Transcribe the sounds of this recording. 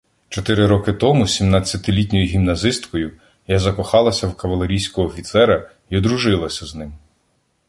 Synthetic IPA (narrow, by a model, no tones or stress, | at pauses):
t͡ʃɔt̪ɪɾɪɾɔkɪt̪ɔmusʲimnat͡sʲːɐt̪ɪlʲit̬ʲnʲɔjiɦʲimnɐzɪst̪kɔjʊ | jazɐkɔxɑlˠɐsʲɐwkɐʋɐlˠeɾʲijsʲkɔɦɔːfʲit̪sɛɾɐ | iɔd̪ɾuʒɪlˠɐsʲɐznɪm